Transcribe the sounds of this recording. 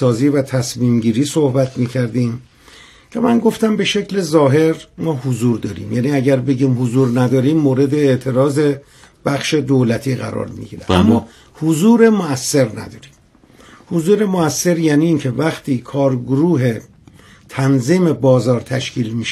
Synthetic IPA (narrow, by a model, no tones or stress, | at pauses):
sɒːziːvæt̪ʰæsmiːmɟiːɾiːsohbæt̪ʰmiːcʰæɾd̪iːm | cʰe̞mænɡo̞ft̪æmbe̞ʃe̞cle̞zɒːɦe̞ɾmɒːhozuːɾd̪ɒːɾḭːmjæːniːæɟæɾbe̞ɟiːmhozuːɾnæd̪ɒːɾiːmːoːɾe̞d̪eːʔt̪ʰe̞ɾɒːze̞ | b̥æxʃe̞d̪oːlæt̪ʰiːɣæ̰ɾɒ̰ːɾmḭɟiɾeæ̰mːɒː | hozuːɾe̞moæsːe̞ɾnæ̰d̪ɒːɾim | hozuːɾe̞moæsːe̞ɾjæːniːncʰe̞væxt̪ʰiːkʰɒːɾɡoɾuːɦe̞ | t̪ʰænziːme̞bɒːzɒːɾt̪ʰæʃcʰiːlmiːʃ